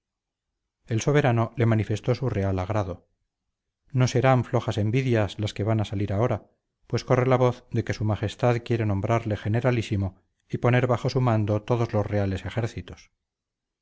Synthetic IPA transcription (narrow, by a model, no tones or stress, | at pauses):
e̞lso̞β̞e̞ɾano̞le̞manife̞st̪o̞sure̞alaɣɾaðo̞ | no̞se̞ɾaɱflo̞χase̞mbiðjaslaske̞βanasaliɾao̞ɾa | pwe̞sko̞re̞laβo̞θd̪e̞ke̞sumaχe̞st̪aðkje̞ɾenombɾaɾle̞χe̞ne̞ɾalisimo̞ | ipo̞ne̞ɾβaχo̞sumãnd̪o̞t̪o̞ðo̞zlo̞zre̞ale̞se̞χe̞ɾθit̪o̥s